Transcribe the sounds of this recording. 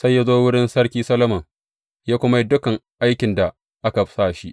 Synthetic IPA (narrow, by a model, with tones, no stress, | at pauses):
sa˦jːa˦zoː˦wʊ˦ɽɪ˦nsɐ˦ɽkʲiː˦sɐ˦lɐ˦mɐ˨ŋ | jaː˦kʷʊ˦ma˦dʊ˦kɐ˨ŋʔa˦jkʲɪ˨nda˨ | ʔa˦ka˨˦saː˦˨ʃi˦ʔ